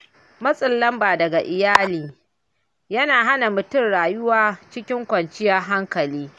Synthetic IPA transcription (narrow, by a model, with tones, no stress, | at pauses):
mɐ˦sʼɪ˨lːɐ˦mbaː˨dɐ˨ɡa˨ʔɪ˨jaː˦liː˨ | jɐ˦naː˨ɦa˦na˨mʊ˨tʊ˦˨nɽaː˨jʊ˦waː˦t͡ʃɪ˦kʲɪ˦ŋkʷɐ˨nt͡ʃɪ˦ja˦ɦa˦ŋkɐ˨liː˦